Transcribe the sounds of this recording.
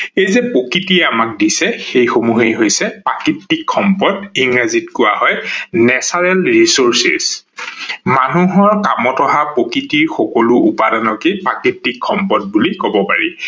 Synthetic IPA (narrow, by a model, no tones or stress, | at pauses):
ejzɛpokitiɛamak̚disɛxejxomuɦejɦojsɛpakitːikʰxɔmpɔdiŋazitkʊwaɦɔjnɛsaɹɛlɹisoɹsḭs | manuɦɔɹkamɔtɔɦapokitiɹxɔkɔlʊupadanɔkipakitːikʰːɔmpɔt̚bulikobɔpa̰ɹḭ